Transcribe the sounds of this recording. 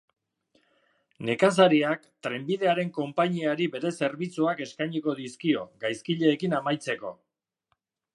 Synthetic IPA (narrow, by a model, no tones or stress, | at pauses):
ne̞kas̬aɾiak | t̪ɾe̞mbiðe̞aɾe̞ŋko̞mpaɲiaɾiβe̞ɾe̞se̞ɾβit͡suake̞skajɲiko̞ðiskio̞ɡajskiʎe̞ːkinamajt͡se̞ko̞̰